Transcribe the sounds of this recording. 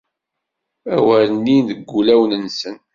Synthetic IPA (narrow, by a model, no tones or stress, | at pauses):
æwæɾənːinðəɡʷːulæwnənsən